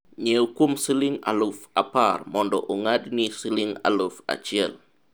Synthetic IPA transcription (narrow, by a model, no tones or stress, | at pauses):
ɲewkumsiliŋa̰lufaparmɔndɔʔoŋadnisiliŋa̰lofa̰t͡ʃɪɛ̰l